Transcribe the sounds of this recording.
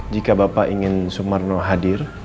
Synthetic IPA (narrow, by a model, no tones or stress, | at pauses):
d͡ʒikabapaʔiŋɪnsumarnɔɦadɪr